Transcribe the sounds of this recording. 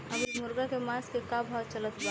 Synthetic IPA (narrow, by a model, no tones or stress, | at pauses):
ɐbimʊɾɡakemaːskekabʱaːt͡ʃələt̪ba